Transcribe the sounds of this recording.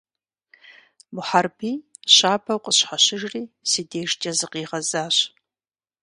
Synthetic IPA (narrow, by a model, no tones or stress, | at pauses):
bʊħarbiː | ɕaːbʰɐwqəɕħaɕɪʐriːsiːdeːʂt͡ʃʼɐzɨqiːʁɐzaːɕ